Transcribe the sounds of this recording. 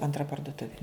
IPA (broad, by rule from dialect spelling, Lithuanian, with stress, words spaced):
ɐntˈrɐ pɐrdʊˈtʊʋʲɪ